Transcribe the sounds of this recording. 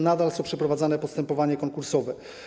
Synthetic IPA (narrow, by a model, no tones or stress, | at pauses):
nad̪alsɔ̃w̃pʂɛpɾɔvad̪zanɛpɔst̪ɛmpɔvaɲɛkɔŋkuɾsɔvɛ